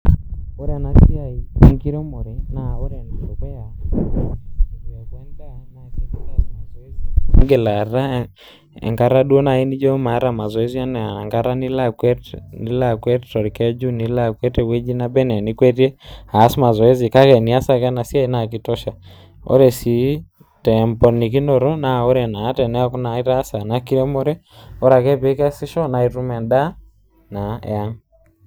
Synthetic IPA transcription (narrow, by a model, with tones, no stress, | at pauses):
ɔ˦ɾa˨na˨si˦a˨i˦ŋki˦ɾɔ˦mo˨ɾɛ˦na˨ɔ˦ɾɛ˨na˨ɔ˨kɛ˦ja˨ | ɔ˨kɛ˦ŋka˦naii˦asma˨zɔ˨˦zɡe˨la˨ɾa˦ | ɛ̰˨ŋɡa˦ɾa˦ɗu˦ɔ˦na˨i˦ni˦d͡ʒɔ˦ma˨˦ɾa˨ma˨zɔ˨e˦zi˦a˦nɛ˨a˨ŋɡa˦ɾa˦ni˦lakwɛ˦tni˦la˦˨kwɛ˦ttɔ˨ɾi˨kɛd͡ʒu˦ni˦la˦kwɛ˦tɛ˦˨we˦d͡ʒi˦na˦bɛ˦nɛ˨ni˦kwɛ˦tiɛ˦a˨˦sma˨zɔ˨ɛ˦zi˨ka˦kɛ˨ni˨a˦sa˨kɛ˦na˨si˦a˦i˦na˨kitɔ˦ʃa˨ | ɔ̰˦ɾɛ˨si˨ | tɛ˨mpɔ˨ni˨ki˦nɔ˨ɾɔ˦na˦ɔ˦ɾɛ˨na˨˦tɛ˨nɛ˦a˦ku˦na˨i˦ɾa˦sa˨na˨ki˦ɾɔ˦mɔ˦ɾɛ˦ | ɔ˦ɾa˨kɛ˦pɛ˦ka˦si˦ʃɔ˦na˨iɾu˦mɛ˨nda˦ | na˨ɛ̰˨a˦ŋ